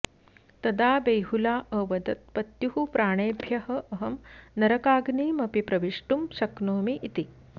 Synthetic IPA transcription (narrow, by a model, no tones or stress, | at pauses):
t̪ɐd̪aːbejɦulaːʔəʋɐd̪ɐt̪̚pɐt̪juɦupɾaːɽ̃eːbʱjɐɦɐʔɐɦɐmnɐɾɐkaːɡniːmɐpipɾɐʋiʂʈumɕɐknoːmiʔit̪i